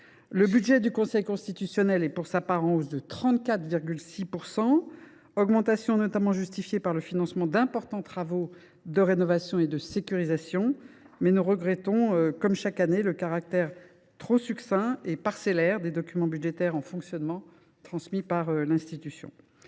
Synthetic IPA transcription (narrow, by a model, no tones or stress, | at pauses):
ləbyd̪ʒɛd̪ykɔ̃sɛjkɔ̃st̪it̪ysjɔnɛlɛpuʁsapaʁɑ̃ozd̪ət̪χɑ̃t̪kat̪viʁɡʲylsipuʁsɑ̃ | ɔɡmɑ̃t̪asjɔ̃nɔt̪amɑ̃ʒyst̪ifjepaʁləfinɑ̃smɑ̃d̪ɛ̃pɔʁt̪ɑ̃t̪χavo | d̪əʁenɔvasjɔ̃ed̪əsekʲyʁizasjɔ̃mɛnuʁəɡʁɛt̪ɔ̃økɔmʃakaneləkaʁak̚t̪ɛʁ | t̪χosyksɛ̃epaʁselɛʁd̪ed̪ɔkʲymɑ̃byd̪ʒet̪ɛʁɑ̃fɔ̃ksjɔnmɑ̃ | t̪χɑ̃smipaʁølɛ̃st̪it̪ysjɔ̰̃